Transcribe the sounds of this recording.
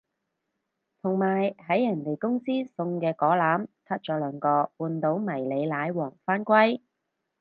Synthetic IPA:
t̪ʰʊ˨˩ŋmaː˨˩jɦɐ˨˥jːɐ˨˩nt̪e˨jkʊ˥ŋsiː˥sʊ˧ŋkɛː˧kɔː˨˥laː˨˥mt̪ʰɐ˥t̚t͡ʃɔː˨˥lœː˨˧ŋkɔː˧puː˨˧nt̪o˨˥wmɐ˨˩jle˨˧jlaː˨˧jwɔː˨˩ŋfaː˥nkʷwɐ˥j

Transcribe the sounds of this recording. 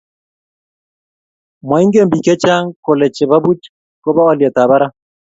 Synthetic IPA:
mwa˨i˦ŋɡe˦mbi˨kɛ˦t͡ʃa˦ŋko˨lɛ˨t͡ʃɛ˨βa˦bu˦t͡ʃ | kɔ˦βa˦ɔ˦lja˨ta˨βa˦ɾa˦

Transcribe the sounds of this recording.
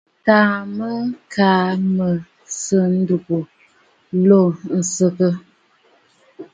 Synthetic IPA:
ta˨mə˦kʰaː˨˦mə˨ | sə˦n̩˦du˨ku˨˦ | lo˦˨n̩˨sə˨kə˦

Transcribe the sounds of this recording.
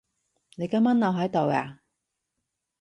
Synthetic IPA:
ne˨˧jkɐ˧mɐ˥nːɐ˨˧wɦɐ˨˥jt̪o˨wa̰ː˨

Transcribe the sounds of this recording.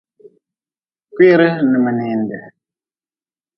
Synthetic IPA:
kwi˦ɾə˦nə˨mə˨nɛ˨ndɛ˨

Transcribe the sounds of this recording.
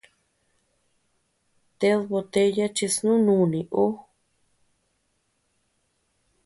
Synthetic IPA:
t̪e˧ðβo˧t̪e˧ja˦t͡ʃi˧snũ˦nũ˦˨nĩ˨ʔo˦

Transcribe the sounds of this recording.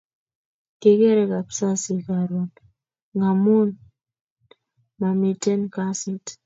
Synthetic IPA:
ke˨kɛ˦ɾɛ˦ka˨psa˦sɪ˨ka˨ɾo˨n | ŋa˨mu˦n | ma˨mi˨tɛ˦nka˦si˦t

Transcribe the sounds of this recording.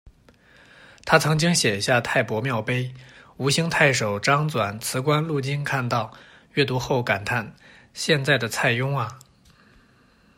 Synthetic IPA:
t̪ʰa˥t͡sʰɤ˧˥ŋt͡ɕi˥ŋɕjɛ˨˩nɕja˥˧t̪ʰa˥˩ɪpwɔ˧˥mjɑ˥˩ʊpe˥ɪu˧˥ɕi˥ŋt̪ʰa˥˩ɪʂo˨˩ʊʈ͡ʂɑ˥ŋt͡swa˨˩nt͡sʰɹ̩˧˥kwa˥nlu˥˩t͡ɕi˥nkʰa˥˧nt̪ɑ˥˧ʊ | ɥɛ˥˩t̪u˧˥xo˥˩ʊka˨˩nt̪ʰa˥˩n | ɕjɛ˥˧nt͡sa˥˩ɪd̪ə˩t͡sʰa˥˩ɪjʊ˥ŋɐ˨

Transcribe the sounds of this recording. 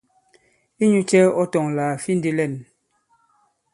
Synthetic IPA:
i˦ɲu˦t͡ʃɛ˦ɔ˦tɔ˨ŋlaː˨fi˦n̩˦di˦lɛ˦˨n

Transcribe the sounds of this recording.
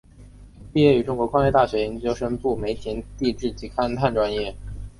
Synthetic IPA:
pi˥˧jɛ˥˩y˧˥ʈ͡ʂʊ˥ŋkwɔ˧˥kʰwa˥ŋɛ˥˧t̪a˥˩ɕɥɛ˧˥i˧˥ŋt͡ɕjo˥ʊʂə˥npu˥˩me˧˥ɪt͡ɕ̪ʰi˧˥ŋt̪i˥˧ʈ͡ʂɻ̩˥˩t͡ɕi˧˥kʰa˥nt̪ʰa˥˩nʈ͡ʂwa˥njɛ˥˩

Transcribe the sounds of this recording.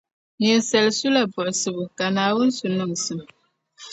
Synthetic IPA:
ɲɛ˨n˨sɛ˨lsu˦la˨bɔ˨ʔsɨ˨bɨ˨ka˨naː˨wu˦n̩˦su˨nu˦˨ŋ˨sɨ˨m

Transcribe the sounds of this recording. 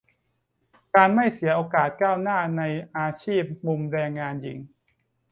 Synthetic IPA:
kaː˧nma˥˩jsi˨˩˦ɐʔoː˧kaː˨˩t̪̚kaː˥˩wnaː˥˩na˧jʔaː˧t͡ɕʰiː˥˩p̚mu˧mɾɛː˧ŋːaː˧nji˨˩˦ŋ

